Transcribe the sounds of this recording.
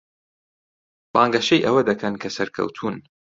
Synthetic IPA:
baːŋɡɐʃejʔɐwɐd̪ɐkʰɐnkʰɐsɐɾkʰɐ̰wt̪ʰuːn

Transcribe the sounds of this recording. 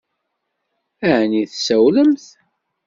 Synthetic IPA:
æʕniθsæwləmθ

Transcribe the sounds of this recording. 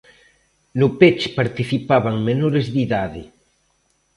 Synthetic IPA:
nʊpet͡ʃpaɾt̪iθipaβaŋmenoɾezðiðaðɪ

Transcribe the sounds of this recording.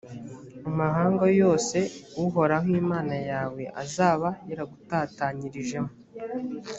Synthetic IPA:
amaɦaːŋɡojo̞ːse̞uɦo̞ɾaŋ̥iːmaːnajaːwe̞ʔa̰zaːβajeɾaɡutaːtaɲiɾiʒe̞mu

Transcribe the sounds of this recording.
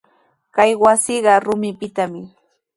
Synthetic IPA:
kajwasiɢɑɾʊmɪpɪt̪amɪ

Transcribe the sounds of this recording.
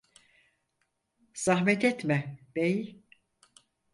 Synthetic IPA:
z̥aɦmɛt̪ɛt̪mɛb̥ej

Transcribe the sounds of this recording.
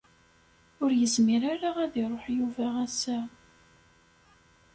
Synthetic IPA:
ʊɾjəzmiɾaɾaʁæðiɾˤoħjuvæʁæsæ

